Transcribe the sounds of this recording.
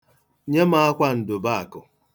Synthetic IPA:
ɲe˦ma˦a˦kʷa˦n̩˨dʊ˨ba˦a˨kʊ˨

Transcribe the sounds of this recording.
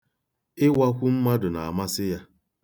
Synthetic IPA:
ɪ˦wa˦kʷu˦m̩˦ma˦dʊ˨na̰˨a̰˨ma˦sɪ˦ja˦

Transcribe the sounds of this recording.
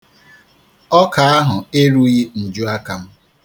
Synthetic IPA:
ɔ˦ka˨a˦ɦʊ˨e˦ɾu˦ɣi˦n̩˨d͡ʒu˦a˦ka˨m̩˦

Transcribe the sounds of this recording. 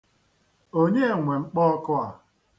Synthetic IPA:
o˦ɲe˦˨ŋʷe˨ŋ͡m̩˦k͡pɔ˦ɔ˦kʊ˦a˨

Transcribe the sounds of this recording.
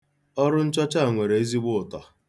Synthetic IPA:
ɔ˦ɾʊ˦n̩˦t͡ʃɔ˦t͡ʃa˦˨ŋʷe˨ɾe˨e˦zi˦ɡ͡bʊ˦ʊ˨tɔ˨

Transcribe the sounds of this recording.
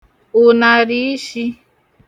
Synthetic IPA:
ʊ˨na˨ɾi˦i˦ʃi˦

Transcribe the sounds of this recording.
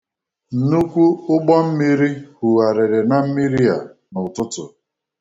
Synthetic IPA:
n̩˨nu˦kʷu˦ʊ˦ɡ͡bɔ˦m̩˦mi˦ɾi˦hu˨a˨ɾe˨ɾe˨na˨m̩˦mi˦ɾi˦a˨nʊ˨tʊ˦tʊ˨

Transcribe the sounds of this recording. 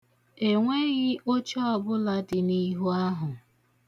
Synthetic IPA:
e˨ŋʷe˦ɣɪ˦o˦t͡ʃɔ˦ɔ˨bʊ˦la˦dɪ˨ni˦ɦu˦a˦ɦʊ˨

